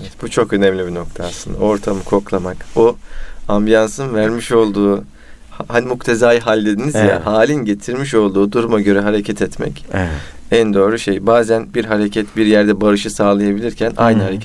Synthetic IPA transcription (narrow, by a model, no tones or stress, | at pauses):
eɛt̪but͡ʃʰo̞kø̞nɛmlʲibino̞k̚t̪ʰaːsɯnd̪a̰o̞ɾt̪ʰamɯkʰo̞klˠamakbuambijansɯnvæɾmiʃo̞lˠd̪uː | hhanimukt̪ʰe̞zaːjɦalʲd̪e̞d̪inizja̰haːlʲinɟe̞t̪ʰiɾmiʃo̞lˠd̪uːd̪uɾumaɟø̞ɾɛɦaɾecʰɛt̪ʰɛt̪mɛ̰c | ænd̪øːɾyʃejbaːzænbiɾɦaɾe̞cʰɛt̪biɾjæɾd̪ɛbaɾɯʃɯsaːlˠajabilʲiɾcʰænʔa̰jnɯhaɾecʰɛ